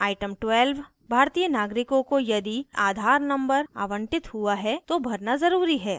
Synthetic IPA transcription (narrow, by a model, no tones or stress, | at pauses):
aːɪʈə̃mʈwɛːlʋ | bʱaːɾt̪ijənaːɡɾɪkõkojɐd̪iaːd̪ʱaːɾnɐ̃mbəɾa̰ːʋə̃ɳʈɪt̪huaɦɛt̪obʱɐɾnazɐɾuːɾiɦɛː